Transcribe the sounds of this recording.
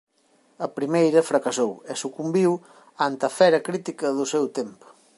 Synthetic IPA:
ɐpɾimejɾɐfɾɐkɐsowesukumbiw | ant̪ɐfɛɾɐkɾit̪ikɐðʊsɛwt̪empʊ̥

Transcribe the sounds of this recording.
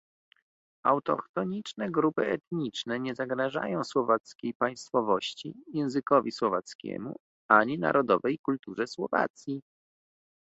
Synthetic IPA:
awt̪ɔ̰kt̪ɔɲit͡ʂnɛɡɾupɘɛt̪ɲit͡ʂnɛɲɛzaɡɾaʐa̰jɔ̃w̃swɔvat̪skʲejpaj̃st̪fɔvɔɕt͡ɕijɛ̃w̃zɘkɔvʲiswɔvat̪skʲɛ̰mṵ | aɲina̰ɾʔɔd̪ɔvɛjkult̪uʐɛswɔva̰t̪sʲji

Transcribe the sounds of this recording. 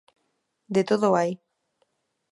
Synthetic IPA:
d̪et̪oðoaj

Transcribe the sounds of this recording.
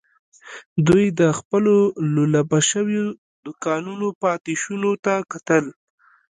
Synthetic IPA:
d̪ujd̪əxpəlololabaʃəwjo | d̪ʊkɑnunopɑt̪ɪʃunot̪akat̪əl

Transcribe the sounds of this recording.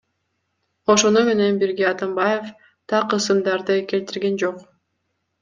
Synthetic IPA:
o̞ʃo̞nume̞ne̞nbiɾɡʲeɑt̪ambaje̞f | t̪ʰɑqːɯsɯmd̪ɑɾd̪ɯke̞lt̪iɾɡe̞nd͡ʒo̞q

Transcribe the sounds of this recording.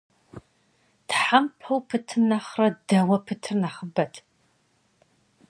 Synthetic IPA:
d̥ħampʰɐwpʰɨtʰɨnaχrɐdɐwɐpʰɨtʰɨrnaχəbɐtʰ

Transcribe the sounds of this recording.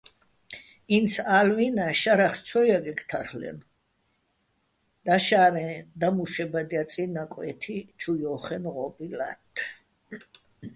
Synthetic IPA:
insalvinaʃaɾaχt͡ʃʰɔjaɡɛɡt̪ʰaɾhlɛ̰n | d̪̥aʃaɾɛ̃d̪amuʃɛbad̪iat̪sʼinakʼwɛt̪ʰit͡ʃʰujɔχɛnʁɔbila̰t̪ʰː

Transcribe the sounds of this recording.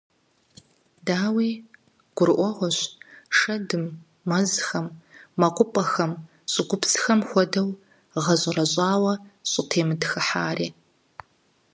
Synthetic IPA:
daːwiː | ɡ̥ʷʊrʔʷɔʁʷɔɕʂɐdɨmː | ɐzxɐmːɐqʷʼʊpʼɐxɐm | ɕʼɪɡʷʊpsxɐmxʷɔdɐw | ʁɐɕʼɪrɐɕʼaːwɐɕʼɪtʰeːmɨdxɨħaːriː

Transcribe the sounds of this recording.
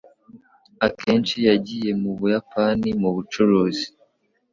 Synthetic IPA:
akʰe̞ːnt͡ʃijaɟije̞muβujapanimuβut͡ʃoɾozi̥

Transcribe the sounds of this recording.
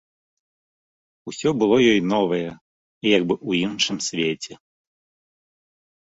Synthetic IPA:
usʲɔbɨlˠɔjɔjnɔvɐjɛ | ijaɡbɨʔuinʂɨmsʲvʲet͡sʲɛ

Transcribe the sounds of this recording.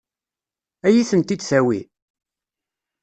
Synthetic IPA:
æjiθənt̪id̪sæwḭ

